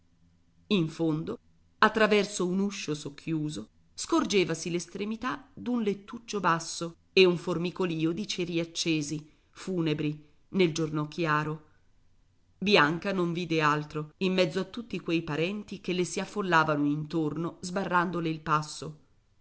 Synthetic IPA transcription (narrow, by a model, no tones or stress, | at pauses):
iɱfond̪o | at̪ːɾavɛrsounuʃːosokʰːjuːzo | skord͡ʒeːvasilest̪ɾemit̪ad̪unlet̪ːut͡ʃːobasːo | euɱformikoliːod̪it͡ʃeɾiat͡ʃːeːzi | fuːnebɾi | neld͡ʒornokʰjaːɾo | bjaŋkanoɱviːd̪ealt̪ɾoimːɛd̪zːoat̪ːut̪ːikwejpaɾɛnt̪ikelːesiafːolːaːvanoint̪ornozbarːand̪oleilpasːo